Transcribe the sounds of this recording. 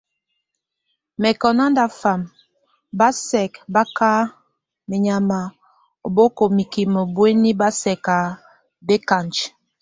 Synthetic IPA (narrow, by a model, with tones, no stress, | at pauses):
mɛ˨kɔ˨na˦nda˨fa˨m | ba˦sɛ˨kba˦ka˦ | mɛ˨ɲa˨ma˨ | o˨bo˦ko˨mi˨ki˨mo˨bwe˦ni˦ba˦sɛ˨ka˨ | be˦ka˨nt͡ʃ